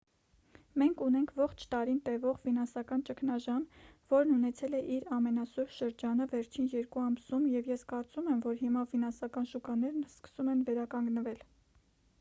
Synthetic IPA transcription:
mɛŋkʰunɛŋkʰvɔχt͡ʃʰt̪ɑɾint̪ɛvɔʁfinɑnsɑkɑnt͡ʃəkʰnɑʒɑmvɔɾnunɛt͡sʰɛlɛʔiɾɑmɛnɑsuɾʃəɾd͡ʒɑnəvɛɾt͡ʃʰinjɛɾkuɑmsumjɛvjɛskɑɾt͡sumɛmvɔɾhimɑfinɑnsɑkɑnʃukɑnɛɾnskə̥sumɛnvɛɾɑkɑŋɡnəvɛl

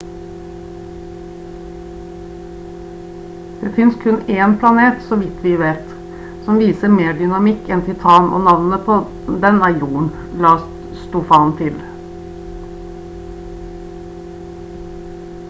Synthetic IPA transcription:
d̪̥eːfɪnskʰʉneːnpʰlɑneːt̪sɔʋɪt̪ʰʋɪʋeːt̪ | sɔmʋiːsəmeːɖʏnɑmɪkːɛnt̪ʰɪt̪ʰɑːno̰ːnɑʋn̩əpʰɔ | d̪ɛnɑɪuːn̩ | lɑː | st̪uːfɑnt̪ʰɪl

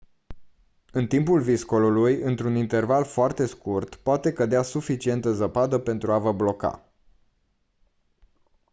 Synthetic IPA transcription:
ɨnt̪impulvisko̞lulujɨnt̪ɾunint̪e̞rvalfoart̪e̞skurt̪poat̪e̞kəd̪easufit͡ʃie̞nt̪əzəpad̪əpe̞nt̪ɾuavəblo̞ka̰

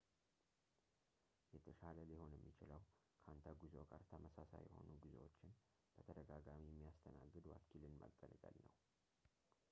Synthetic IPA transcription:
jɛt̪ʰəʃaləliho̞njɛmːit͡ʃɪləw | kʰant̪ʰaɡuzoɡaɾt̪ʰəməsasa̰jɛho̞̰nuɡizewo̞t͡ʃːɪn | b̥ət̪ʰəd̪əɡaɡamijɛmːijast̪ʰənaɡːɨd̪wa̰kʰilɨnmə̰ɡʼːəlɡa̰lnəw

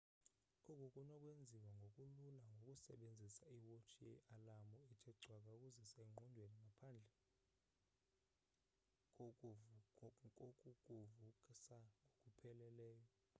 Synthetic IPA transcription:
kʼɔk̬ʼokʼunɔkʼwend͡zʱiwaŋɡʱokʼululaŋɡʱokʼusɛɓend͡zʱisaiwot͡ʃʰijɛ̰ʔalamuitʰɛɡ͡ǀʱwak̬ʼaukʼuzɛseŋ͡ǃʱundʱweniŋɡʱapʰand͡ɮʱɛ | kʼokʼu | ukʼuvuǃisaŋokʼupʰɛlɛlɛːjɔ

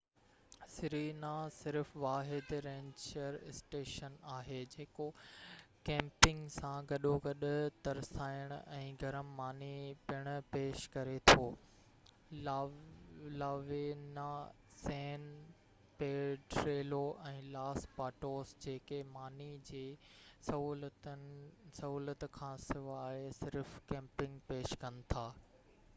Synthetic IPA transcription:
sɪɾinasɪɾfʋaːɦɪd̪ɾẽːɲt͡ɕəɾɪsʈeːʃənaːɦeːd͡ʑeːko | kɛ̃ːmpɪ̃ŋɡsãɡɐɗoɡɐɗʊt̪ɐɾsaːɪəɽ̃ʊɛ̃ːɡʱɐɾəmːaːnipɪɽ̃ʊ̆peːʃkɐɾet̪ʰoː | laːʋena | sɛːn | peːʈɾeːloʔɛ̃ːlaːspaːʈoːsd͡ʑeːkemaːnid͡ʑeːsɐɦuːlt̪ | sɐɦuːlət̪kʰãːsɪʋaːesɪɾfkɛ̃ːmpɪ̃ŋɡpeːʃkɐnɪ̆t̪ʰaː

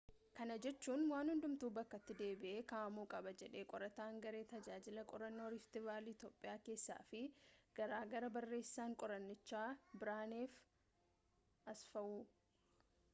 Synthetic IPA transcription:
kɐnɐd͡ʒɛt͡ʃːuːnwaːnhʊnd̪ʊmt̪uːbɐkːɐt̪ːɪd̪e̞ːbɪʔeːkaːʔmuːkʼɐbɐd͡ʒɛᶑe̞ːkʼɔɾɐt̪aːŋɡɐɾe̞ːt̪ɐd͡ʒaːd͡ʒɪlɐkʼɔɾɐnːo̞ːɾɪft̪ɪvaːlɪt̪jo̞ːpʼɪjaːke̞ːsːa̰ːfɪɡ̥ɐɾaːɡɐɾɐbɐrːe̞ːsːaːŋkʼɔɾɐnːɪt͡ʃːaːbɪɾaːneːf | ʔɐsfɐʔuː

